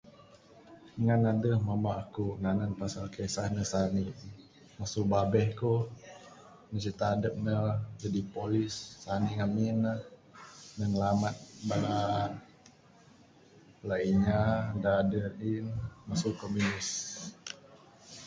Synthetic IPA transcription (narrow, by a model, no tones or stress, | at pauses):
ŋanadəhmamaʔːkuŋananpasalkesahnəsani | masubabɛhku | nəsit̪aːdəp̚nəd͡ʒadipolisːaniŋaminəhnəŋəlamat̪̚bala | laiɲadadəɾinmasukomunis